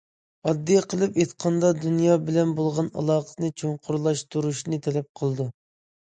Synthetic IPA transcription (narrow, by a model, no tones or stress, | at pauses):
ɑd̪ːijɛqʰəlˠɨpet̪qʰɑnd̪ɑd̪unjɑːbɪlɛnbolˠʁɑnɑ̰lˠɑːqə̥nɨt͡ʃʰoɴqʰʊɾlˠɑʃt̪uɾuʃnɨt̪ʰɛlɛp̚qʰəlˠɨd̪u